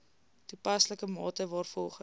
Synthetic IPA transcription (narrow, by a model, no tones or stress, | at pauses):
dupɐsləkəmɑːtəvɑːrfɔlˠχə